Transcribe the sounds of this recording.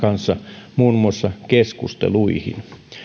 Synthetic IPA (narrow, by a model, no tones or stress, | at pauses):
kɑnsːɑmuːnmuɑsːɑkeskust̪ḛluihḭn